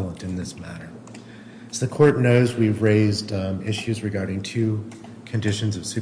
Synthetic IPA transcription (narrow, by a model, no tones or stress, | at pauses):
lˠə̃ntɨ̃nðɪsmæ̰ɾə˞ | zðɨkʰɔɹtⁿnoʊzwivɹeɪzdɪʃʉzɹɨɡɑɹɾɪ̃ŋtʰʉ | kʰɨ̃ndɪʃɨ̃nzʌv̥sʉ